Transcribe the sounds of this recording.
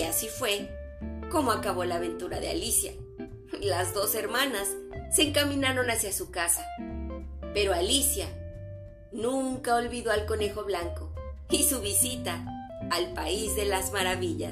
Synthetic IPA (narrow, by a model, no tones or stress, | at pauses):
asifwe̞ | ko̞mo̞akaβo̞laːβe̞nt̪uɾa̰ðe̞a̰lisja̰ | lazðo̞se̞ɾmãnasːe̞ːŋkamĩnaɾo̞nasjasukasa | pe̞ɾo̞alisja | nũŋkao̞lβiðo̞alko̞ne̞xo̞βlaŋko̞isuβ̞isit̪aː | lpaizðe̞lazmaɾaβiʎa̰s